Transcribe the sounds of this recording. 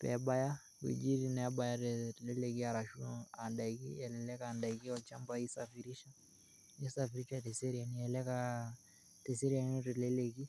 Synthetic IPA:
pɛ̰ɓaja | wḭd͡ʒiɾinaaɓajaɾɛlɛlɛkiaɾaʃuandaikiɛlɛlɛkandaikiɔt͡ʃambaisafiɾiʃa | jɛsafiɾiʃatɛsɛɾianiɛlɛka | tɛsɛɾianɔɾɛlɛlɛki

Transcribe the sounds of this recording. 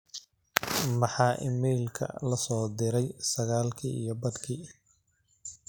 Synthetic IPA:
mɑħɑːʔɪmɛːlkʰɐ̰lɐsɔːd̪ɪɾɛjsɐɣaːlkʰḭːʔijɞbɐd̪kʰiː

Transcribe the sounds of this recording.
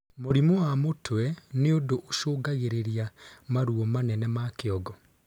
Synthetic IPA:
moɾimowamotʰwɛneodoʔːʃoːɡaɣeɾeɾiamaɾuɔmanɛnɛmakeɔɡɔ

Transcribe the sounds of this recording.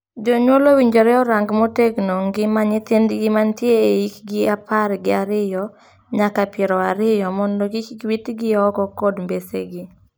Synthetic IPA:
d͡ʒoɲwolowiɲd͡ʒɔɾɛɔɾaŋɡmoteɡnoŋɡɪmaɲɪt̪endɡɪmantjeːikɡɪapaɾɡɪaɾɪjɔ | ɲakapjɛɾɔaɾɪjɔmɔndɔɡikwitɡɪɔɡɔkɔdmbesḛɡɪ

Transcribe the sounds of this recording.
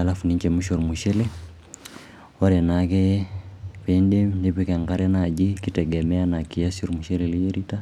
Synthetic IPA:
alafuniɲt͡ʃɛmuʃoɾmuʃɛle | waɾɛnakɛ | pendemndepikaŋɡaɾɛnad͡ʒikitɛɡɛmɛanakiasoɾmuʃɛlɛliɾita

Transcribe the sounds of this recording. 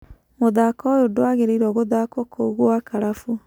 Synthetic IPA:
moðakɔjodoaɣeɾeiɾɔɣoðakɔkʰoɣoakaɾafu

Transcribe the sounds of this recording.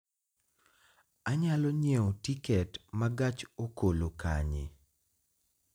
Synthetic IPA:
aɲalɔɲeotikɛtmaɡat͡ʃokolokaɲɪ̰

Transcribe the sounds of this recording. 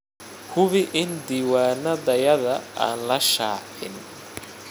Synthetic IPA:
hʰʊβɪʔɪnd̪iːwaːnɐðɐjɐðɐa̰ːnlɐʃaːħɪ̰n

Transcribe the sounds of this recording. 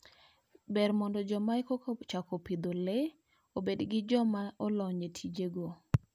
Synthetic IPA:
bɛɾmɔndɔd͡ʒɔmajkokt͡ʃakopid̪ole | obedɡɪd͡ʒɔmaɔlɔɲetʰid͡ʒeɡo

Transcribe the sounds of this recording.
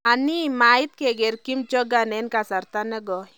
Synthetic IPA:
animait̪̚kɛɡɛɾkimt͡ʃɔɡanɛnkasaɾt̪anɛɡɔj

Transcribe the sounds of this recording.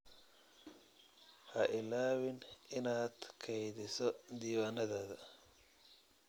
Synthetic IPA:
hɐʔɪlaːwɪnɪnaːd̪̥kʰɛjðɪsɔd̪iːwaːnɐðɐːðɐ

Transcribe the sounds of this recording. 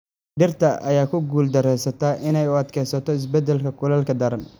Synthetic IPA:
ɖɪrt̪ʰɐʔɐjaːkʰʊɡuːld̪ɐɾɛjsɐt̪ʰaːʔɪnɛjʊɐd̪kʰɛjsɐt̪ʰɔɪs̬bɛd̪ɛlkʰɐkʰʊlɐlkʰɐd̪ɐɾɐn

